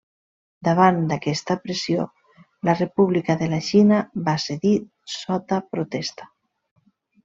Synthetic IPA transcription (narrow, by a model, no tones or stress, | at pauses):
d̪aβ̞and̪akɛst̪apɾesjo | larepuβlikaðelaʃinaβaseði | sɔt̪apɾot̪ɛst̪ḁ